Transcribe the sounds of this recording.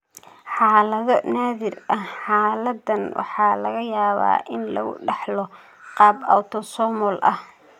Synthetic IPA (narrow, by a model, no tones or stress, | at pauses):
ħɑːlɐðɔnaːðɪrɐħɑːlɐd̪ːɐnwʔɑ̰ħɑːlɐɣɐjaːβa̰ːʔɪnlɐ̰ɣʊ̰ɖɑħlɔ | qɑːba̰wt̪ʰɔsɔːmɔlʔɐh